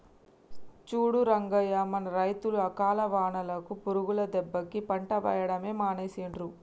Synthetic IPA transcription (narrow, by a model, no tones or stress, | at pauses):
t͡ʃuːɽuɾɐŋɡɐjaːmɐnɐɾɐjt̪uluɐkaːlɐʋaːɳɐlɐkupuɾuɡulɐd̪ɛbːɐkipɐɳʈɐʋɐ̰jɐɽɐme̞ːmaːneːsiɳɾu